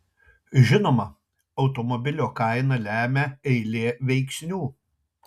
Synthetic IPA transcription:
ʒʲɪnoːmɐ | ɒʊt̪ɔmɔbʲɪlʲoːkɑˑɪnɐlʲæːmʲɛɛɪlʲeːʋʲɛɪksʲnʲuː

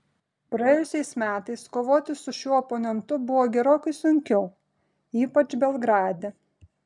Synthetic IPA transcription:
pɾɐjeːjʊsʲɛɪsmʲæːt̪ɐɪskoːʋoːt̪ʲɪsʊʃʲuːɔponʲɛnt̪ʊbʊʋoːɡʲɛɾoːkɐɪsʊŋʲkʲɛʊ | iːpɐt͡ʃbʲɛlˠɡɾɑːd̪ʲe

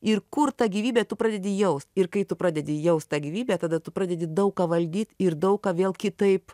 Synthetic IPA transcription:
ɪrkʊrt̪ɑːɡʲiːʋʲiːbʲeːt̪ʊpɾɑːd̪ʲɛdʲɪjɛʊst̪ʲɪrkɐɪt̪ʊpɾɑːdʲɛd̪ʲɪjɛʊst̪t̪ɑːɡʲiːʋʲiːbʲɛːt̪ɐːd̪ɐt̪ʊpɾɑːd̪ʲɛd̪ʲɪd̪ɐʊkkɑːʋɐlʲd̪ʲiːt̪ʲɪrd̪ɐʊkkɑːʋʲeːlˠkʲɪt̪ɐɪp

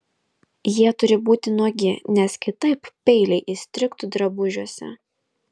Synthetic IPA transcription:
jiɛt̪ʊɾʲɪbuːt̪ʲɪnuɔɡʲɪnʲɛskʲɪt̪ɐɪppʲɛɪlʲɛɪʔɪsʲt̪ʲɾʲɪkt̪ud̪ɾɐbʊʒʲuɔsʲɛ̰

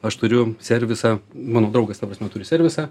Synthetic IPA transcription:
ɐʃt̪ʊɾʲʊsʲɛɾʲʋʲɪsɑːmɑːnoːd̪ɾɐʊɡɐst̪ɐpɾɐsʲmʲɛt̪ʊɾʲʊsʲɛɾʲʋʲɪsɑː

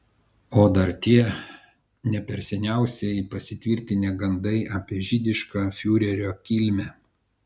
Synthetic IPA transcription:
oːd̪ɐɾt̪ʲiɛ | nʲɛpʲɛɾʲsʲɛnʲæˑʊsʲɛɪpɐsʲɪt̪ʲʋʲɪɾʲt̪ʲɪnʲeːɡɐnd̪ɐɪʔɐpʲiɛʒʲɪd̪ʲɪʃkaːfʲuːɾʲɛɾʲoːkʲilʲmʲɛː

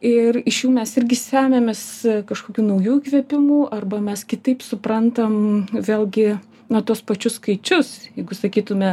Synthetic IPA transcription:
ɪrɪʃjuːmʲɛsɪrʲɡʲɪsʲæːmʲemʲɛskɐʃkoːkʲuːnɐʊjuːkʋʲiɛpʲɪmuːʔɐrbɐmʲɛskʲɪt̪ɐɪpsʊpɾɐnt̪ɐmʋʲeːlˠʲɡʲɪ | nɐt̪uɔspɐt͡ʃʲʊsskɐɪt͡ʃʲʊsjɛɪɡʊsɐkʲiːt̪ʊmʲɛ

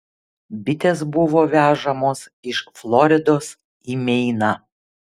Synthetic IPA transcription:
bʲɪt̪ʲeːsbʊʋoːʋʲæːʒɐmoːs | ɪʃflˠɔɾʲɪd̪oːs | iːmʲɛɪnɑ

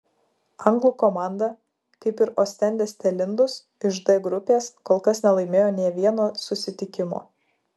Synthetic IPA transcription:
ɐŋɡlˠuːkoːmɑˑnd̪ɐ | kɐɪpɪɾoːsʲt̪ʲɛnʲd̪ʲesʲt̪ʲɛlʲɪnd̪ʊs | ɪʒd̪ɐɡɾʊpʲeːskoːlˠkɐsnʲɛlˠɐɪmʲeːjoːnʲiɛʋʲiɛnoːsʊsʲɪt̪ʲɪkʲɪmo̰ː

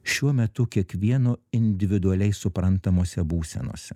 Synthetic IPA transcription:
ʃʲuɔmʲɛt̪ʊkʲiɛkʋʲiɛnoːɪnʲd̪ʲɪʋʲɪd̪ʊɐlʲɛɪsʊpɾɐnt̪ɐmoːsʲɛbuːsʲɛ̰no̰ːsʲɛ

